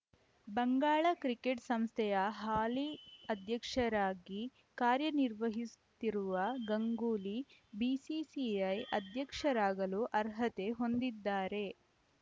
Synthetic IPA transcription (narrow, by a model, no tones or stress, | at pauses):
bɐŋɡaːɭɐkɾikeʈsɐmst̪ʰɛjɐɦaːliɐd̪ʱjɐkʂɐɾaːɡi | kaːɾjɐniɾʋɐɦisut̪iɾuʋɐɡɐŋɡuːlibisisiɐjɐd̪jɐkʂɐɾaːɡɐluʔɐɾɦɐt̪e̞ɦo̞nd̪id̪ːaːɾe̞